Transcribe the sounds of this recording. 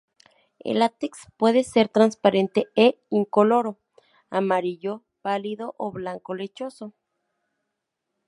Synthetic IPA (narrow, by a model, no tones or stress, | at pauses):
ḛlat̪ekspweðeseɾt̪ɾanspaɾent̪ee | iŋkoloɾo | amaɾiʎo | paliðoʔoβlaŋkolet͡ʃoso